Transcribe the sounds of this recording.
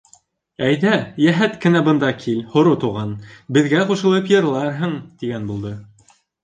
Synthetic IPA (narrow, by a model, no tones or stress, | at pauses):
æjðæjæɦæt̪kɘ̆næbɤ̆nd̪ɑkʰilhŏɾot̪uʁɑnbɘ̆ðɡæquʃɤ̆lˠɤpjɤ̆ɾlˠɑɾɦɤɴt̪iɡænbulˠd̪ɤ